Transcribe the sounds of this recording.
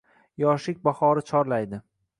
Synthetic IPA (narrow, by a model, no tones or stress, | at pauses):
jɒʃɪk̚ʲbaχɒɾɪt͡ʃʰɒɾlajd̪ɪ